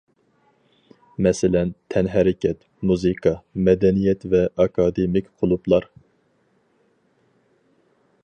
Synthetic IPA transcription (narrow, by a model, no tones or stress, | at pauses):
mɛsɪlɛnt̪ʰɛnɦɛɾɪkʲʰɛt̪ | muzɨkʰɑmɛd̪ɛnijɛt̪vɛʔɑkʰɑd̪emɪkʲqʰolˠuplˠɑɾ